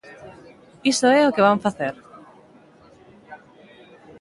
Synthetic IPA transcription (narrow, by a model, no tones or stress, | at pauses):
isoɛokɪβaɱfaθeɾ